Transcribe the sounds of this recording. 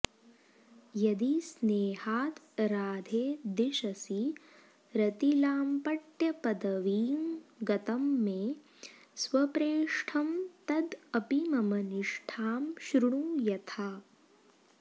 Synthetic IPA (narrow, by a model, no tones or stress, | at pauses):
jɐd̪isneːɦaːt̪ | ɾaːd̪ʱeːd̪iʃɐsi | ɾɐt̪ilaːmpɐʈjɐpɐd̪ɐʋiːmɡɐt̪ɐmːeː | sʋɐpɾeːʂʈʰɐmt̪ɐd̪ɐpimɐmɐniʂʈʰaːmʃɾuɳuːjɐt̪ʰaː